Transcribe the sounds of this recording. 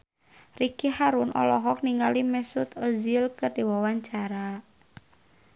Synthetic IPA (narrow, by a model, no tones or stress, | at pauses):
rikihaɾunʔɔ̰lɔɦɔk̚niŋɡalimɛsut̪ozilkɨrdiwawaɲt͡ʃaɾa